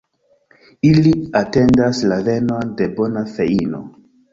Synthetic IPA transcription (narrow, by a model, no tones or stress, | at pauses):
iliate̞ndaslave̞node̞bo̞nafe̞ino̞̰